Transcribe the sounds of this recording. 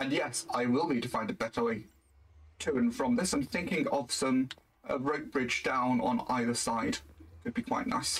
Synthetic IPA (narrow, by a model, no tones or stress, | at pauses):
ə̃njɛsaɪwɪlˠbitəfãɪ̃ndɨt̚b̥ɛtəli | tʰəə̃nfɹə̃mðɪsãɪ̃mθɪ̃ŋkɪ̃ŋəv̥sə̃m | əɹəʊk̚b̥ɹɪd͡ʒdãʊ̃nə̰̃na̰ɪðəsaɪd̥kʰɨd̚bikʰw̥aɪʔⁿna̰ɪs